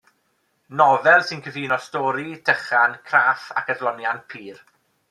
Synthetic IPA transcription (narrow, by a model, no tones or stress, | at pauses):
nɔvɛlˠsɪnkʰəviːnɔstɔːɾid̥ʰəχankʰraːfa̰kəðlɔnjanpʰiːr